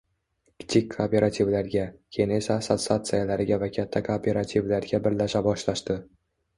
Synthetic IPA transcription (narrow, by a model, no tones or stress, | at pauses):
kʲʰɪ̥t̪ʰikʲʰːoːpʲe̞ɾat̪ʰʲivlaɾɡʲakʲʰejne̞sasat̪sat̪sɨjalaɾɪɡʲavakʲʰat̪ʰːakʰoːpʲʰe̞ɾat̪ʰivlaɾɡʲabɪɾlaʃabɒʃlaʃt̪ɪ